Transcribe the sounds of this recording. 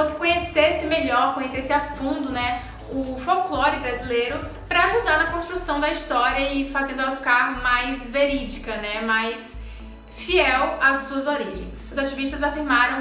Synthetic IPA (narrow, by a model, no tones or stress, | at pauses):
t̪ɐ̃w̃kɪ̥kõɲesesɪmeʎɔɾkõɲesesɪafũnd̪ʊnɛ | ʊfowklɔɾɪbɾazileɾʊ | pɾɐaʒud̪aɾnɐkõst̪ɾusɐ̃w̃d̪ɐist̪ɔɾiɐɪfazẽd̪ʊɛlɐfi̥kaɾmajzveɾid͡ʒikɐnɛmajs | fiɛwɐsuɐzoɾiʒẽj̃sʊzat͡ʃiviʃt̪ɐzafiɾmaɾɐ̃w̃